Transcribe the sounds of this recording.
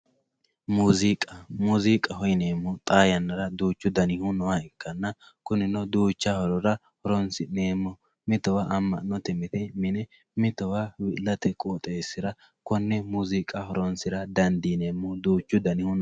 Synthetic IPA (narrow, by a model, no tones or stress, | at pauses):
muːzikʼɐmuːzikʼɐhɔjneːmːɔt̪ʼaːjɐnːɐɾɐd̪uːt͡ʃːʊd̪ɐnɪhʊnɔwaɪkːɐnːɐ | kʊnɪnɔd̪uːt͡ʃːahɔɾɔɾɐ | hɔɾɔnsɪneːmːɔ | mɪt̪ɔwaʔɐmːɐ̰nɔt̪ɛmɪt̪ɛmɪnɛ | mɪt̪ɔwawɪʔlːɐt̪ɛkʼoːt̪ʼeːsːɪɾɐ | kɔnːɛmuːzikʼɐhɔɾɔnsɪɾɐd̪ɐnd̪ineːmːɔd̪uːt͡ʃːʊd̪ɐnɪhʊn